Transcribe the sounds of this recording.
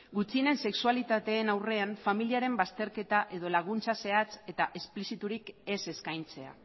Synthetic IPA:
ɡut͡sine̞nse̞ksualit̪at̪e̞ːnawre̞aɱfamiliaɾe̞mbast̪e̞ɾke̞t̪aʔe̞ðo̞laɣ̞unt͡sase̞at͡se̞t̪aʔesplisit̪uɾike̞se̞skajnt͡se̞a̰

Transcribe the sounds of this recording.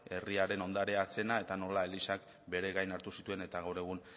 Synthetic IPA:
e̞riaɾe̞no̞nd̪aɾease̞nae̞t̪ano̞lae̞lisak | be̞ɾe̞ɣajnaɾt̪usit̪ue̞ne̞t̪aɣawɾe̞ɣ̞un

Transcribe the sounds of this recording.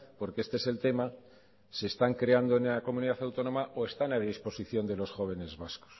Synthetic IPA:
po̞ɾkeest̪eese̞lt̪e̞ma | se̞st̪aŋkɾeand̪oenko̞mũniðaθawt̪o̞nõ̞maʔoe̞st̪anaðispo̞siθjo̞nd̪e̞lo̞sxo̞β̞e̞ne̞zβasko̥s

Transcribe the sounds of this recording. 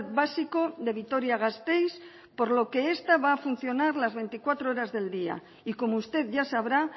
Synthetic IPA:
t̪̚βasiko̞ðe̞β̞it̪o̞ɾjaɣ̞ast̪ejs | po̞ɾlo̞ke̞est̪aβaːfun̟θjo̞naɾlazβe̞jnt̪ikwat̪ɾooɾazðe̞ld̪ia̰ | iko̞moust̪e̞ðʝasaβ̞ɾa

